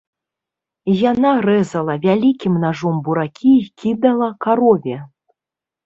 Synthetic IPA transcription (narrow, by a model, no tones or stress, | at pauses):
janaɾɛzɐlˠɐvʲalʲikʲimnaʐɔmbuɾakʲʰikʲid̪ɐlˠɐkaɾɔvʲɛ